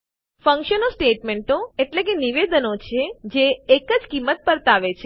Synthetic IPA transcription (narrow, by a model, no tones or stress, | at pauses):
fə̃ŋkʃənosʈeʈmeɳʈoeʈlek̬eniʋed̪ənot͡ʃʰed͡ʒeːkəd͡ʒkimːət̪̚pəɾt̪aʋet͡ʃʰe